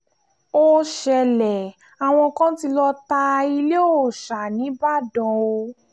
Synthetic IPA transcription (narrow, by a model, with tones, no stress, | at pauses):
o˧ʃɛ˨lɛ˨ | a˨w̃ɔ̃˧kã˦ti˧lɔ˧ta˧i˧le˦o˦˨ʃa˨nĩ˨˦ba˦˨dɔ̃˨o˧